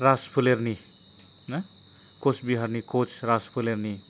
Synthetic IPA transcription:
raspʰulerni | nʌ | kot͡sʰbiɦʌrnikot͡sʰraspʰulerni

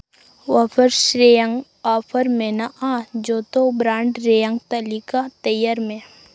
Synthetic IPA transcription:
ʋapʰəɾʃɾejə̃ŋɡ | aːpʰəɾmẽnaʔãːd͡ʒoːt̪obɾãːɳɖɾejə̃ŋɡt̪əlikat̪əjəɾmẽ

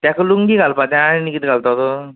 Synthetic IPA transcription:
t̪jãkɯluŋɡiɡʱalpat̪jãnikit̪ɡʱalt̪at̪o

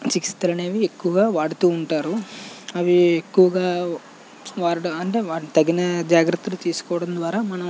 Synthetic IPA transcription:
t͡ʃiki̥st̪ɐlɐneːʋiekːuʋɐɡaːʋaːɽut̪uːɳʈaːɾuɐʋiekːuʋɐɡaː | ʋaːɾiʈɐɐɳʈe̞ːʋaːt̪ɐɡinɐd͡ʒaːɡɾɐt̪ːulut̪iːsu̥kɔːʋɐɽɐnd̪ʋaːɾaːmɐnɐ

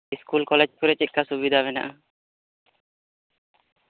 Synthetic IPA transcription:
skulkɔled͡ʑkoɾet͡ɕekːasubid̪ʱaβena̰

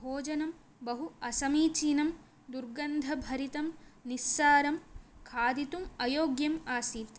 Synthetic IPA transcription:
ɦoːd͡ʒɐnɐm | bɐɦuɐsɐmiːt͡ʃiːnɐm | d̪uɾɡɐnd̪ʱɐbʱɐɾit̪ɐmnisːaːɾɐmkʰaːd̪it̪umɐjoːɡjɐmaːsiːt̪

